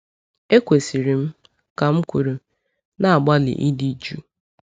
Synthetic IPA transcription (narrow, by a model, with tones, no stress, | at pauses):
e˦kʷe˨si˨ɾi˨m̩˦ | ka˨m̩˦kʷu˨ɾu˨ | na˦a˨ɡ͡ba˦lɪ̰˨ʔi˦di˦d͡ʒu˦